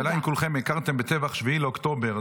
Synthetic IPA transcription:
lainkulχe̞mekaʁt̪embet͡sevaχʃviileokt̪o̞beʁ

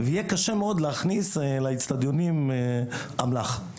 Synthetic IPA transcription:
vejɛkaʃemeod̪leaχnislait͡st̪ad̪jo̞nim | amlaχ

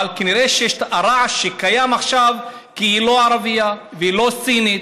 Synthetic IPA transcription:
alkaniɾeʃejeʃtaɾaʕʃekajamaχʃav | kiilo̞aɾavija | veilo̞sinit̪

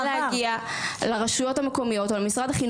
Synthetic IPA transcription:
lehaɡia | leʁaʃujo̞thameko̞mijo̞tolemisʁadaχin

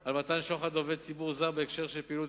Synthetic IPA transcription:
almat̪anʃoχad̪oved̪̚t͡sibuʁzaʁbeekʃe̞ʁʃelpiːlu

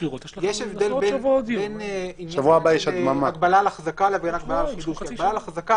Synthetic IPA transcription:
jeʃevd̪elbebenʃavuabajɛʃad̪mamaɡbalalaχazakalavbenaɡbalalχid̪uʃaɡbalalχazaka

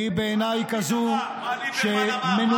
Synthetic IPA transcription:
ibeːnaːjkɐzũː | ʃemɪn

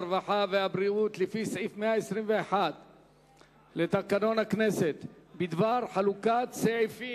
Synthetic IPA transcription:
vaħaveabɾiut̪lifisʕifmeaesʁimveeħad̪ | let̪akano̞nhakneset̪bid̪vaɾħalukat̪seʕifi

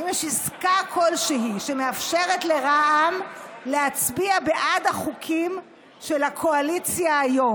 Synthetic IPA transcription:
imeʃiskakʰo̞lʃeɦiʃemeafʃe̞ʁetle̞ʁaʔamleat͡sbiabeʔadaχukʰim | ʃelakʰo̞alit͡sjaːjo̞

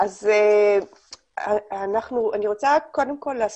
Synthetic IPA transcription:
ʔaze | anaχnuaniʁot͡sako̞demko̞lːaːs

